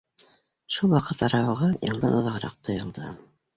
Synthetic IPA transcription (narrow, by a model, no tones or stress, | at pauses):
ʃulˠwɑqɤt̪ɑɾɑwɤ̆ʁɑjɤ̰̆lˠd̪ɤnŏðɑʁɾɑ̰q̚t̪ʰŏjŏlˠd̪ɤ